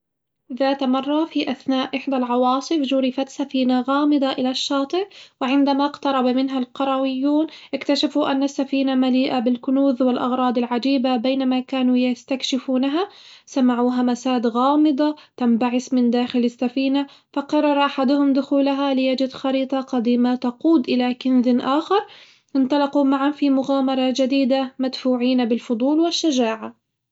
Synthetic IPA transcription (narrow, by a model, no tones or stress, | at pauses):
ðaːt̪mɑrˤːɑfiʔaθnaːʔʔɪħd̪alʕɑwɑːsˤɨfd͡ʒʊɾɪfat̪safiːnaɣaːmɪd̪ˤɑʔɪlaʃːɑːt̪ˤɨʕwɪʕɪnd̪amaqt̪ɑɾˤɑbmɪnɦalqɑɾˤɑwɪjːuːnʔɪkt̪aʃafuʔanːasːafiːnamaliːʔabɪlkʊnuːðwɪlʔɑɣɾˤɑːd̪ˤɪlʕad͡ʒiːbabeːnamakaːnujast̪akʃɪfuːnaɦasamaʕuːɦamasaːd̪ɣɑːmɨd̪ˤɑt̪ambaʕɪsmɪnd̪aːxɪlɪsːafiːna | fɑqɑrˤːɑɾˤʔaħad̪ʊhʊmd̪ʊxuːlaɦalɪjad͡ʒɪd̪xɑɾiːt̪ˤɑqɑd̪iːmat̪ɑquːd̪ʔɪlakɪnðɪnʔaːxɑɾˤ | ʔɪnt̪ˤɑlɑqumaʕanfimʊɣaːmɑɾˤɑd͡ʒad̪iːd̪amad̪fuːʕiːnbɪlfʊd̪ˤuːlwɪʃːad͡ʒaːʕa